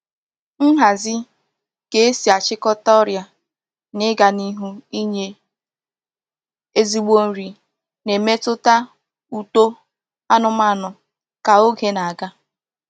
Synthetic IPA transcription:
n̩˦ɦa˨zɪ˦ | ke˨e˦si˨a˨t͡ʃɪ˦kɔ˦tɔ˦ɾja˨ | nɪ˦ɡa˨ni˦ɦu˦i˦ɲe˦ | e˦zi˦ɡ͡bo˦n̩˦ɾi˨ | ne˨me˦tʊ˦ta˦ | u˨to˦ | a˦nʊ˨ma˦˨nʊ˨ | ka˨o˦ɡe˨na˨a˨ɡa˦

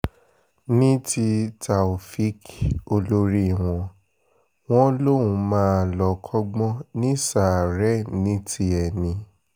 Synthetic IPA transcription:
nĩ˦ti˧ta˨u˨fi˦ko˧lo˦ɾi˦˨w̃ɔ̃˧ | w̃ɔ̃˦lo˦˨wũ˧mãː˦˧˨lɔ˧˨kʰɔ˦ɡ͡bɔ̃˦nĩ˦sa˨ɾɛ˨˦nĩ˨˦ti˧˦ɛ˨nĩ˧

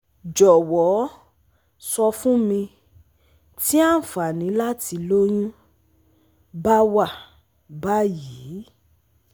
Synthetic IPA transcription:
d͡ʒɔ˨wɔ˨˦ | sɔ˧fũ˦mĩ˧ | ti˦a˦n̩˨fa˨nĩ˨˦la˦ti˧lo˦j̃ũ˦ | ba˦wa˦˨ | ba˦ji˨˦

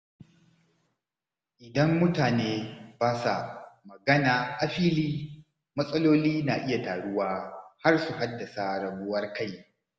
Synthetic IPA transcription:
ʔɪ˨dɐ˦mːʊ˦taː˨neː˦baː˦sa˨mɐ˨ɡɐ˦naː˨ʔa˨ɸiː˦liː˦ | mɐ˦sʼɐ˦loː˦liː˦naː˨ʔɪ˦ja˨taː˨ɽʊ˦waː˦ha˦rsu˨ɦa˦dːɐ˨sa˨ɽɐ˨bʊ˦wɐ˦rka˦˨j

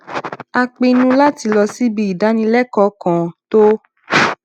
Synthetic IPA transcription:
a˧k͡pe˧nũ˦la˦ti˧lɔ˧si˦bi˧i˨da˨˦nĩ˧lɛ˦kɔ˨˦kɔ̃˨to˦

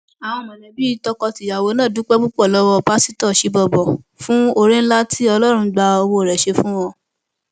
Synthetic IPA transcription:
a˨w̃ɔ̃˧˨mɔ̃˨lɛ˨bi˦tɔ˧kɔ˧ti˨ja˨wo˨˦nã˦˨du˨˦k͡pɛ˦ɡ͡bu˦k͡pɔ˦˨lɔ˨˦wɔ˧pa˦si˦tɔ˦˨ʃi˨˦bɔ˧˨bɔ˨ | fũ˦o˦ɾẽ˦n̩˦la˦tʰi˦ɔ˧lɔ˦ɾ̃ũ˧˦ɡ͡ba˧o˧wo˧˨ɾɛ˨ʃe˧fũ˦wɔ̃˦˧˨

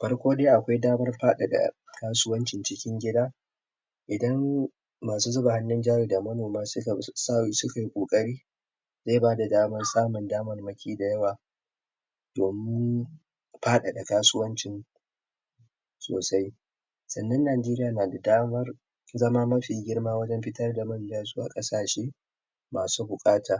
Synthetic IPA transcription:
ɸɐ˦rkʷoː˦deː˦ʔa˨kʷa˦jdaː˦mɐ˦rɸaː˦ɗa˨da̰˨kaː˦sʊ˦wɐ˦nt͡ʃɪ˨nt͡ʃɪ˦kʲɪ˦ŋɡʲɪ˦daː˦ | ʔɪ˨dɐ˦mː | aː˨suː˦zʊ˦ba˨ha˦nːɪ˦nd͡ʒaː˦ɾiː˨da˨mɐ˦noː˨maː˦sʊ˦ka˨sa˦sʊ˦ka˨jkʷʼoː˨kʼɐ˦ɾiː˦ | zeː˦˨baː˦da˨daː˦mɐ˦rsaː˦mʊ˨ndaː˦mɐ˦˨rmɐ˦kʲʰiː˦da˨jɐ˦waː˨ | d̥oː˨mɪ˦ɪ˦n | ɸaː˦ɗa̰˨ɗa˨kaː˦sʊ˦wɐ˦nt͡ʃɪ˦n | so̰ː˨sa˦j | sɐ˨nːɐ˦nːaː˨d͡ʒeː˦ɾɪ˦jaː˨naː˨da˨daː˦mɐ˦r | zɐ˦ma˦mɐ˦ɸiː˨ɡʲɪ˦rmaː˦wɐ˦d͡ʒɛ˦mɸɪ˦tɐ˦rda˨mɐ˦˨n˨d͡ʒaː˦su˦ʔa̰˨kʼɐ˦saː˨ʃeː˦ | maː˨suː˦bʊ˨kʼaː˦tʰaː˨

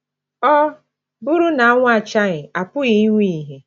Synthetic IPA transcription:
ɔ˦ | bʊ˦ɾu˦na˨a˦ŋʷ˦a˨t͡ʃa˦ɣɪ˨a˨pʊ˦ɣi˦ŋʷi˦i˨ɦe˨

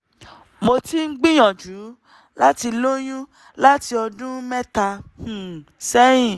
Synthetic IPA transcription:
mo˧ti˦ŋ̩˦ɡ͡bĩ˦j̃ɔ̃˨d͡ʒu˨˦ | la˦ti˧lo˦j̃ũ˦ | la˦ti˧ɔ˧dũ˦mɛ˦ta˧ũ˨sɛ˦j̃ĩ˦˨

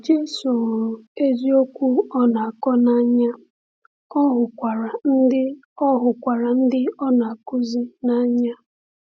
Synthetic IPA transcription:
d͡ʒe˦su˨e˦zi˦o˦kʷu˦ɔ˦na˨a˨kɔ˦na˦ɲa˦ | ɔ˦ɦʊ˨kʷa˨ɾa˨n̩˦dɪ˦ | ɔ˦ɦʊ˨kʷa˨ɾa˨n̩˦dɪ˦ɔ˦na˨a˨kʊ˦zi˦na˦ɲa˦

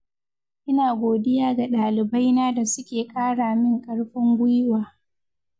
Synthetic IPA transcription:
ʔɪ˦naː˨ɡʷoː˨dɪ˦jaː˦ɡa˨ɗaː˨lɪ˨ba˦jnaː˦da˨sʊ˦kʲeː˨kʼaː˦ɽaː˨mɪ˦ŋkʼɐ˦ɽɸɪ˦ŋɡʷʊ˦jwaː˨

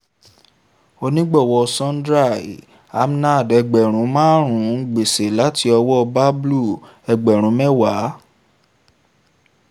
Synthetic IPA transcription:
o˧nĩ˦ɡ͡bɔ˦˨wɔ˧sɔ̃˦n˦dɾa˦˨ḭ˨ | a˦m˦na˦˨dɛ˧ɡ͡bɛ˨ɾ̃ũ˨˦mãː˦ɾ̃ũ˨˦˧ɡ͡be˨se˨la˨˦ti˧˦ɔ˧wɔ˦ɔ˧ba˦blu˦˨ | ɛ˧ɡ͡bɛ˨ɾ̃ũ˨˦mɛ˦wa˨˦

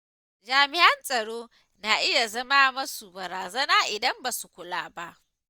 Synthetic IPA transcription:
d͡ʒaː˨mɪ˨ʔɐ˦nsʼɐ˨ɽoː˦ | naː˨ʔɪ˦ja˨zɐ˦maː˦mɐ˦su˨bɐ˨ɾaː˨zɐ˦naː˦ʔɪ˨dɐ˦mba˨su˨kʷʊ˨laː˦ba˦ʔ

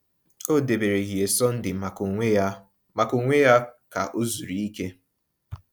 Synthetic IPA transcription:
o˦de˨be˨ɾe˨ɣi˨e˨sɔ˦n̩˦dɪ˨k | ma˨ko˨ŋʷe˦ja˦ka̰˨ʔo˦zu˨ɾi˨i˦ke˦

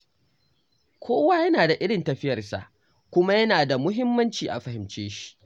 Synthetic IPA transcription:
kʷʰoː˦wa˦jɐ˦naː˨da˨ʔɪ˦ɽɪ˨ntɐ˨ɸɪ˦jɐ˨rsa̰˨ʔ | kʷʊ˦ma˦jɐ˦naː˨da˨mʊ˦ɦɪ˦mːɐ˦nt͡ʃiː˨ʔa̰˨ɸɐ˨hɪ˨mt͡ʃeː˦ʃi̥˦

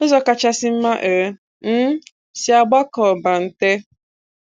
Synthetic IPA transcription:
o˦zɔ˨ka˨t͡ʃa˦sɪ˦m̩˦ma˦ʔe˨˦ | m̩˦ | si˦a˨ɡ͡ba˦kɔ˨ba˨n̩˨te˦

